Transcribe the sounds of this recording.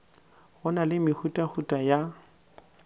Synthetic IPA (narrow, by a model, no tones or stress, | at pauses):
ɣɔnalɪmɪhutʼahutʼaja